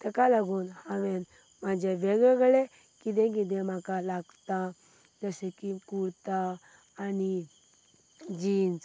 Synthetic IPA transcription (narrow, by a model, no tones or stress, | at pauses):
t̪ɛkalaɡuːnhãʋen | mad͡ʑʱeʋeɡeɡɭe | kid̪̬ẽkid̪̬ẽmakalaɡt̪a | d͡zəsɛkikuɽt̪aː | ni | d͡ʑiːnd͡z